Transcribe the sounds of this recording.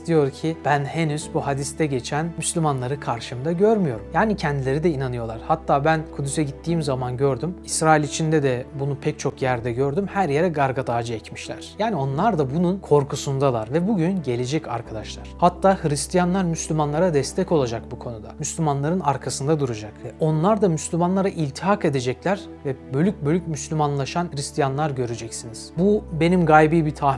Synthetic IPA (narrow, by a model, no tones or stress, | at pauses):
d̪̥ijo̞ɾcʰib̥ænhe̞nyzbuhad̪ist̪ʰɛɟe̞t͡ʃʰænmyslʲymanlˠaɾɯkʰaɾʃɯmd̪aɟøɾmyjo̞ɾumjaːnicʰɛnd̪ilʲe̞ɾid̪ɛinanɯjo̞lˠaɾ̥hat̪ːaːbænkʰud̪ysɛɟit̪ʰːiːmzamanɟø̞ɾd̪ymisɾaːilʲit͡ʃʰind̪ɛd̪ɛbunupʰɛc̚t͡ʃʰo̞kjæɾd̪ɛɟø̞ɾd̪ymhæɾje̞ɾɛɡaɾɡat̪ʰaːd͡ʒɯɛcmiʃlʲæ̰ɾ̥jaːnio̞nlˠaɾd̪abununkʰo̞ɾkʰusund̪alˠaɾvɛbuɟynɟe̞lʲe̞d͡ʒɛcʰa̰ɾkʰad̪aʃlˠaɾ̥hat̪ʰːaːhɯɾist̪ʰijanlˠaɾmyslʲymanlˠaɾad̪ɛst̪ʰɛco̞lˠad͡ʒak̚bukʰo̞nud̪amyslʲymanlˠaɾɯnaɾkʰasɯnd̪ad̪uɾad͡ʒakɛo̞nlˠaɾd̪amyslʲymanlˠaɾaʔilʲt̪ʰiɦake̞d̪e̞d͡ʒɛclʲæɾ | vɛbø̞lʲyc̚bølʲycmyslʲymanlˠaʃanhɯɾist̪ʰijanlˠaɾɟø̞ɾed͡ʒɛcsiniz̥bube̞nimɡajbiːbit̪ʰa